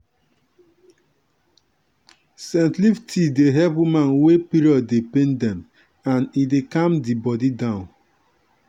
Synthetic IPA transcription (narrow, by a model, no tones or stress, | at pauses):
sɛ̃ntliftʰideɦɛpwimãnwepiɾɔdepẽndɛ̃m | ãnidekãmdibɔdidãʊ̃n